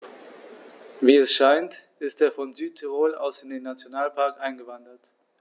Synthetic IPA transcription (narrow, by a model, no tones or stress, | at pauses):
viːɛsʃaɪntʔɪstʔeːɐfɔnzyːtʰiʁoːla̰ʊsɪndeːnːat͡sjonaːlpʰaɐkʔaɪnɡəvandɐt